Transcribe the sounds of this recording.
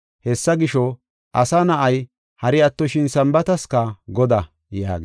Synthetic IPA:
hɛsːɐɡɪʃɔ | ʔɐsɐnɐʔɐj | hɐɾɪɐt̪ːɔʃɪnsɐmbɐt̪ɐskɐɡɔd̪ɐ | ja̰ːɡɪ

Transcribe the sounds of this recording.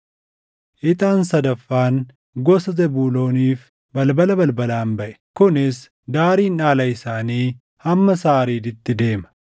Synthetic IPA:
ʔɪt̪ʼaːnsɐd̪ɐfːaːn | ɡɔsɐzɛbuːlo̞ːniːf | bɐlbɐlɐbɐlbɐlaːmbɐʔɛ̥kʊnɪs | d̪aːɾiːnaːlɐɪsaːniː | hɐmːɐsaːɾiːd̪ɪt̪ːɪd̪e̞ːmɐ̥

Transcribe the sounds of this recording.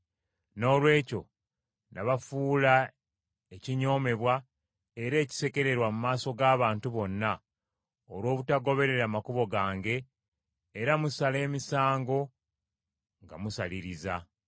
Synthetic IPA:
no̞ːlwe̞ːco̞̰ | naβafuːla | eciɲo̞ːme̞βwa | eɾe̞ːci̥se̞ke̞ɾe̞ɾwamumaːso̞ɡaːβaːntuβo̞nːa | oɾwo̞ːβutaɡo̞βe̞ɾe̞ɾaːmakuβo̞ɡaːŋɡe̞ː | ɾamusale̞ːmisaːŋɡo̞ | ŋɡa̰musaliɾiza

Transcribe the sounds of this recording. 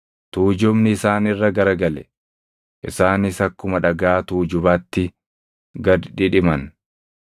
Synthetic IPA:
t̪uːd͡ʒʊmnɪɪsaːnɪrːɐɡɐɾɐɡɐlɛ̰ | ʔɪsaːnɪsɐkːʊmɐᶑɐɡaːt̪uːd͡ʒʊbaːt̪ːɪ | ɡɐd̪ᶑɪᶑɪmɐn

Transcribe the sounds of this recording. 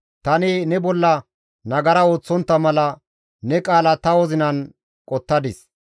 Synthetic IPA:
t̪ɐnɪnɛbɔlːɐ | nɐɡɐɾɐo̞ːt͡sːɔnt̪ːɐmɐlɐ | nɛkʼaːlɐt̪ɐwɔzɪnɐn | kʼɔt̪ːɐd̪ɪs

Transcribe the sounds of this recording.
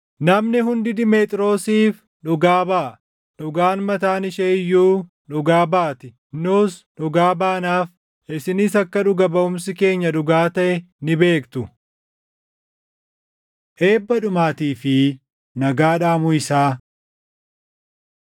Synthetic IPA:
nɐmnɪɦʊnd̪ɪd̪ɪmeːt̪ʼɾo̞ːsiːf | ᶑʊɡaːbaː | ɗʊɡaːnmɐt̪aːnɪʃeːɪjːuː | ᶑʊɡaːbaːt̪ɪ | nuːsᶑʊɡaːbaːnaːf | ɪsɪniːsɐkːɐᶑʊɡɐbɐʊmsɪke̞ːɲːɐᶑʊɡaːt̪ɐʔɛ | nɪbe̞ːkt̪ʊ | ʔe̞ːbːɐᶑʊmaːt̪iːfɪ | nɐɡaːᶑaːmʊɪsaː

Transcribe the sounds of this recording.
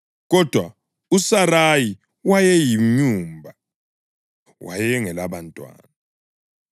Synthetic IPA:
ɣɔd̥ʱwa | usaɾaji | wajɛjiɲuːmbʱa | wʔa̰jɛŋɛlaβantʼwa̰ːna

